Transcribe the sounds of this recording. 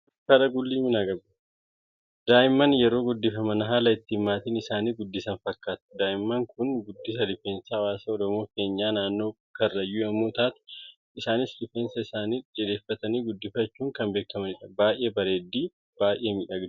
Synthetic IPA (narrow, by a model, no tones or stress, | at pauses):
kɐɾɐɡʊlːiːmɪnaɡɐb | d̪aːʔɪmːɐnjɛɾo̞ːɡʊd̪ːɪfɐmɐnɐɦaːlɐɪt̪ːɪːmːaːt̪iːnɪsaːniːɡʊd̪ːɪsɐnfɐkːaːt̪ʊ̥d̪aːʔɪmːɐŋkʊnɡʊd̪ːɪs̬ɐlɪfeːnsɐɐwaːsɐɔɾɔmo̞ːke̞ːɲːaːnaːnːo̞ː | kɐrːɐjːuːɐmːuːt̪aːt̪ʊ̥ | ɪsaːnɪslɪfeːnsɐɪsaːniːᶑɛd̪eːfːɐt̪ɐniːɡʊd̪ːɪfɐt͡ʃːuːŋkɐmbe̞ːkːɐmɐnɪᶑɐbaːjʔeːbɐɾeːd̪ːiː | b̥aːjʔeːmiːᶑɐɡ